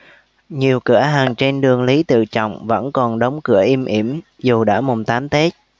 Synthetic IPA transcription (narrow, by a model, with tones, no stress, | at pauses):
ɲi˨˩əwkɨ˧˩əɦaː˨˩ŋt͡ɕe˧nɗɨ˨˩əŋli˨˦t̪ɨ̰˧˨t͡ɕɔ̰˧˨wŋ͡mvə̰˧˥nkɔ˨˩nɗə˨˦wŋ͡mkɨ̰˧˩əʔi˧mʔi˧˩əm | zu˨˩ɗa̰ː˧˥mʊ˨˩ŋ͡mt̪aː˨˦mt̪e˦˥t̚